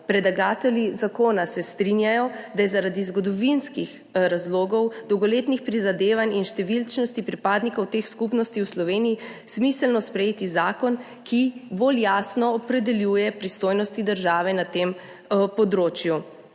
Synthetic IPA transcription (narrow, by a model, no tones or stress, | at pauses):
pɾɛd̪aɡaːt̪ɛljizakoːnasɛst̪ɾinjajɔd̪ajɛzaɾad̪izɡɔd̪ɔʋinskix | ɾazloːɡɔwd̪ɔwɡɔleːt̪nixpɾizad̪eːʋanʲinʃt̪ɛʋilt͡ʃnɔst̪ipɾipaːd̪nikɔwt̪exskupnɔst̪iwslɔʋeːniji | smislnɔspɾɛjeːt̪izaːkɔn | kʰiboljaːsnɔːpɾɛd̪ɛljuːjɛpɾist̪oːjnɔst̪id̪əɾʒaːʋɛnat̪em | pɔd̪ɾoːt͡ʃju